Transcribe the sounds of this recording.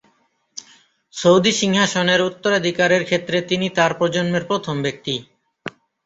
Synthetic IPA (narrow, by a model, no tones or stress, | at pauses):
sowd̪iʃiŋɦaʃoneɾut̪ːoɾad̪ʱikaɾeɾkʰet̪ːɾet̪init̪aɾpɾod͡ʑonmeɾpɾot̪ʰombek̚t̪i